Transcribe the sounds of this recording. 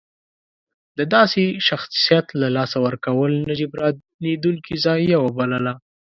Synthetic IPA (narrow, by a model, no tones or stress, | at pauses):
d̪əd̪ɑseʃaxsijat̪lalɑsawəɾkawəlnad͡ʒibɾɑ | nid̪uŋkizɑjːawabaləla